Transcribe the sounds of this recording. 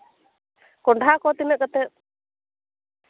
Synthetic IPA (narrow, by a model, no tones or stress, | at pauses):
kɔɳɖʱakɔt̪imɛʔ̚kat̪ɛt̪̚